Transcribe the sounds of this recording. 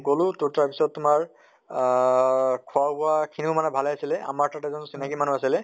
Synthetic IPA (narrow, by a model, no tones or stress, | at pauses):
ɡolʊ̃tuɹtaɹpisɔt̚ːʊmaɹ | kʰɔabʊakʰinimanɛbʱalɛjasilɛʔa̰maɹtatɛzɔnsinakimanuasilɛ